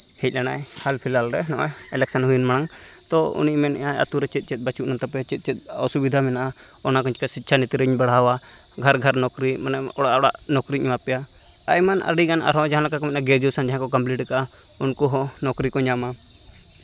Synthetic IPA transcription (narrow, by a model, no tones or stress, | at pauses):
hɛc̚ˀlanaj | halpʰilalɾɛnɔʔɛ | ɛlɛksanɦujunmañaŋ | t̪ɔṵniʔmɛnɛaa̰t̪uɾɛt͡ʃit̪̚t͡ʃit̪̚ˀbat͡ʃuʔnant̪apɛt͡ʃit̪̚ˀt͡ʃɛt̪̚ | ɔ̰subid̪ʱamɛnaʔa | ɔnak̬ɔɲt͡ʃkasit̪̚ːt͡ʃʰanit̪ɾəɲbaɽawa | ɡʱaɾɡʱaɾnɔkɾimana | ɔɽaʔɔɽa̰ʔnɔkɾiɲapɛja | ajmana̰ɾiɡana̰ɾɦɔ̃d͡ʒaɦãlɔkakɔmɛnaɡɛɾd͡ʒusand͡ʒaɦãkɔkəmpliʈɛkaʔa | unkɔɦɔnɔkɾikɔɲama